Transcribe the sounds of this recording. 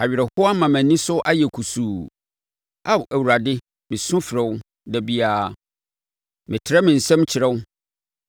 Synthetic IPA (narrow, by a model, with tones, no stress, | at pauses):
a˨ɥɪ˨ɾɛ˨hʊ˦a˦mã˨mæ̃˨nĩ˦sʊ˦ʔa˦jɛ˨kʰu˨suː˨ | a˦˨wʔæ˨wu˨ɾa˨dɪ˦ | mɪ̃˨sʊ̃˦fɪ˨ɾɛ̃˦wʊ˦ | dɛ˨bi˦aː˦ | mɪ̃˨tʰɪ˨ɾɛ˦mɪ̃˨n̩˨sɛ̃˦m˦t͡ɕʰɪ˨ɾɛ˦wʊ˦